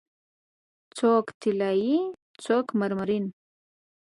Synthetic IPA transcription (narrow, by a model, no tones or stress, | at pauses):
t͡sokt̪ʰilaji | t͡sokmaɾmaɾin